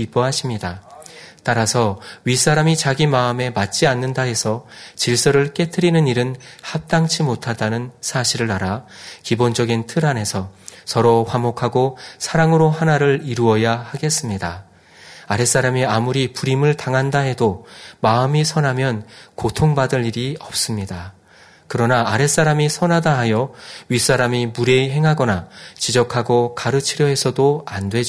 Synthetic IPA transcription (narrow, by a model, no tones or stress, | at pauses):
ip͈oɦaɕʰimɲidat͈aɾasʰʌɥis͈aɾamit͡ɕaɡimaɯme̞mat̚t͡ɕ͈ianːɯndae̞sʰʌt͡ɕiɭs͈ʌɾɯɭk͈e̞tʰɯɾinɯniɾɯnhap̚t͈aŋt͡ɕʰimotʰadanɯnsʰaɕʰiɾɯɾaɾakibond͡ʑʌɡintʰɯɾane̞sʰʌsʌɾʌɸwamokʰaɡosʰaɾaŋɯɾohanaɾɯɭiɾuʌjahaɡe̞s͈ɯmɲida | aɾe̞s͈aɾamiamuɾipuɾimɯɭtaŋɦandaɦe̞domaɯmisʰʌnɦamjʌnkotʰoŋbadɯʎːiɾiʌp̚s͈ɯmɲida | kɯɾʌnaːɾe̞s͈aɾamisʰʌnɦadaɦajʌɥis͈aɾamimuɾeɦe̞ŋɦaɡʌnat͡ɕid͡ʑʌkʰaɡokaɾɯt͡ɕʰiɾjʌɦe̞sʰʌdoandwe̞d͡ʑ